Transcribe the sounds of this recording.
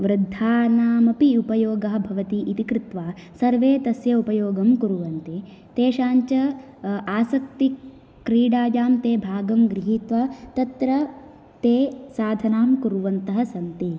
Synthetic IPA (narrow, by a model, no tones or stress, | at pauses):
ʋɾɪd̪ʱːaːnaːmɐpiupɐjoːɡɐɦɐ̆bʱɐʋɐt̪iʔit̪ikɾɪt̪ʋaːsɐɾʋeːt̪ɐsjɐupɐjoːɡɐmkuɾuʋɐnt̪i | t̪eːʃaːɲt͡ʃɐ | aːsɐk̚t̪i | kɾiːɽaːd͡ʒaːmt̪eːbʱaːɡɐmɡɾiɦit̪ʋɐt̪ɐt̪ɾɐ | t̪eːsaːd̪ʱɐnaːmkuɾuʋɐnt̪ɐɦɐsɐnt̪i